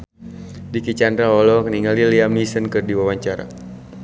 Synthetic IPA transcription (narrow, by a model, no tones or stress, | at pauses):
dikit͡ʃand̪ɾaɔlɔkəniŋaliliamisənkɨrdiwawaɲt͡ʃaɾa̰